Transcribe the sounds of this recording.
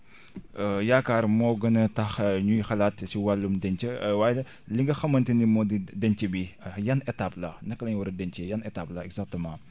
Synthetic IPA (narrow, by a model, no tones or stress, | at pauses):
əjaːkaːɾmɔːɡɐnɐtɐxɲujxɐlaːtsiwalːumdɛɲt͡ʃəwaːj | liŋɡɐxɐmːɐntinimɔdidɛɲt͡ʃəbijɐnɛtaplɐ̰nɐkːəlɐɲwɐɾɐdɛnt͡ʃejɐnɛtaplɐɛɡzak̚təmɑ̃ː